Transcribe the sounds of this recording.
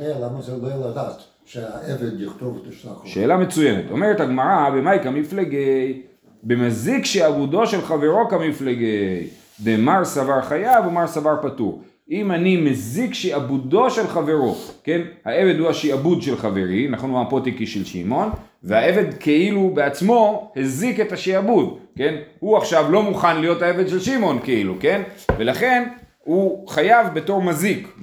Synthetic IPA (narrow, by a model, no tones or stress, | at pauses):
elamazedejalad̪aːt̪ | ʃeaʔeved̪jiχt̪ovteʃaʃe̞ːlamet͡sujemet̪o̞̰meʁet̪aɡmaʁabemajkamifleɡej | bemazikʃeabud̪o̞ʃe̞lχave̞ʁo̞kamifleɡej | d̪emaʁsavaʁχajavomaʁsavaʁpatuʁ | imanimazikʃeabud̪o̞ʃe̞lχave̞ʁo̞ke̞nhae̞ve̞d̪huhaʃiabud̪ʃe̞lχave̞ʁinaχo̞nuapot̪ikiʃelʃḭmo̞n | veae̞ve̞d̪kʰeilubeat͡smo̞hezikethaʃiabud̪ke̞nhuaχʃavlo̞muχanlijo̞t̪hae̞ved̪ʃelʃimo̞nkeiluke̞nve̞laχe̞n | huχajavbe̞to̞ʁmazik